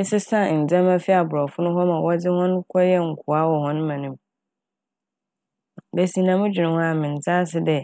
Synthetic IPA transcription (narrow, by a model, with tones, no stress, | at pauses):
ɪ˦sɪ˦sã˦˨n̩˨d͡zɛ̃˦mã˦fɪ˦a˨bʊ˨ɾɔ˨fʊ˦nʊ̃˦ɦɔ˦mã˨wɔ˦d͡zɪ˦hɔ̃˦n˦kʰɔ˦jɛ˦ŋ̩˨kʰu˨a˦wɔ˨hɔ̃˦ñ˦mã˨nĩ˦m | be˨sĩ˨nã˨mʊ̃˦d͡ʑᶣi˨nʊ̃˨hʊ̃˦a˨mɪ̃˨n˨t͡sʰa˦s̬ɪ˦dɛ˦